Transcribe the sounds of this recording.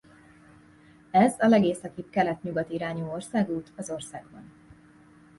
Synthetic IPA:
ɛzɒlɛɡeːsɒkikkɛlɛt̪ɲuɡɒt̪iɾaːɲuːorsaːɡuːt̪ɒzo̞rsaːɡbɒ̰n

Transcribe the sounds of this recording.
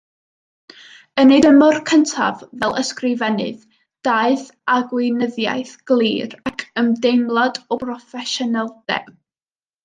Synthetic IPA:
ənedəmɔrkʰəntʰa̰vvɛlˠəskrɪvɛnɨ̰ð | d̥aːɨθ | aɡwɪnəðja̰jθɡ̥lˠiːrakʰəmdejmlˠadɔpʰrɔfɛʃɔnɛlˠd̥ɛ̰

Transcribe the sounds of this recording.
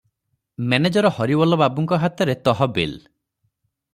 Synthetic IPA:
mened͡ʒɔɾɔhɔɾibɔlɔbabuŋkɔɦat̪ɔɾet̪ɔɦɔbel

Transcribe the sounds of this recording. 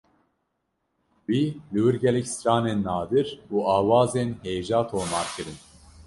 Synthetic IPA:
wiːlɨwɨɾɡʲɛlɛcsɾɑːneːnːɑːd̪ɨɾuːɑːwɑːzeːnheːʒɑːt̪ʰoːmɑːɾkɨɾɨn

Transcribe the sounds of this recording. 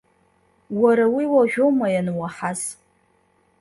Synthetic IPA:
waɾawiwaʒᶣomajanwaħaz

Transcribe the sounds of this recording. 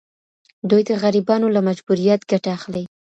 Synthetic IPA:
d̪ujd̪əɣaɾibɑnolamad͡ʒbuɾijat̪ɡaʈaːxle

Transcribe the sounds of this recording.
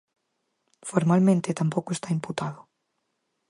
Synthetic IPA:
foɾmalmẽnt̪et̪ampowkoest̪aimput̪aðʊ

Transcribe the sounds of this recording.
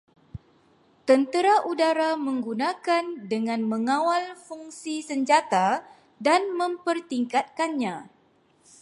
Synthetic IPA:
t̪ənt̪əɾaʔudaɾamə̃ŋɡunãkandəŋãnmə̃ŋãwalfuŋsisəɲd͡ʒat̪a | danmə̃mpərt̪iŋkat̪̚kanɲã

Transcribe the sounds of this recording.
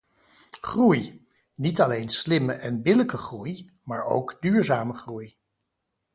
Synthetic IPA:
χruj | nitɑlejnslɪməʔɛnbɪləkəχruj | maːɹo̰wkdyːɹzaːməχruj

